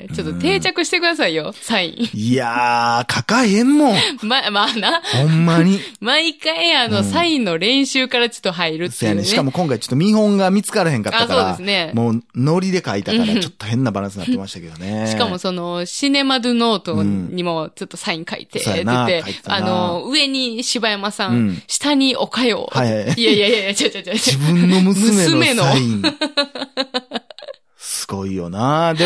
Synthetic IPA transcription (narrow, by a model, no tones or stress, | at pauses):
t͡ɕo̞t̪ːot̪e̞ːt͡ɕakɯ̟ɕi̥t̪e̞kɯd̪asaijo̞saḭ̃iakʰakaihẽmːomamanahõmːaɲ̟imaikaiano̞saĩnːo̞ɾẽ̞ɰ̃ɕɨːkaɾat͡ɕo̥t̪ːoɦaiɾɯ̟t̪ːojaneɕikamo̞kõ̞ŋkait͡ɕot̪ːomʲĩɦõ̞ŋɡamʲit͡sɨ̥kaɾɯhẽ̞ŋkataaskao̞ːad̪esɨne̞moːno̞ɾʲid̪e̞kait̪akaɾat͡ɕo̞t̪ːohẽ̞nːabaɾãsɨnat̪ːeimaɕi̥t̪ḁked̪oneɕikamo̞so̞no̞ɕine̞mad̪ɯno̞ːt̪oɲ̟imo̞t͡ɕo̞t̪ːosaĩŋkaḭt̪esoːjnaekait̪eano̞ɯ̟e̞ɲ̟iɕibajamasãɕi̥t̪aɲ̟io̞kajo̞̰ːhajhaiiaiaiajat͡ɕaaad͡ʑibɯ̟̃nːo̞mɯmsɨme̞ɨme̞noaĩ | sɨ̥ɡ̥o̞ijo̞nad̪e